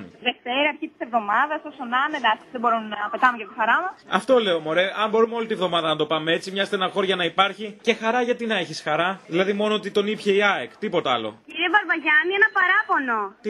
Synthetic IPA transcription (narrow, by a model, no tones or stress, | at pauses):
nðe̞ft̪eɾɐɐɾçit̪i̥se̞vðo̞mɐðɐsoksonɐned̪ɐksiðebo̞ɾumnɐpe̞t̪ɐnmojɐt̪ixɐɾɐmɐsɐ̰ft̪o̞le̞omo̞ɾe̞ʔɐmbo̞ɾumeolit̪ievðo̞mɐðɐnɐt̪o̞pɐmee̞t͡simɲɐzet̪eenɐxo̞ɾoʝɐnɐipɐɾçice̞xɐɾɐʝɐt̪inɐe̞çisxɐɾɐðilɐðimo̞noot̪it̪o̞nipçeiɐekt̪ipo̞t̪ɐɐlo̞̰ciɾiɐvɐɾvɐʝɐnienɐpɐɾɐpo̞no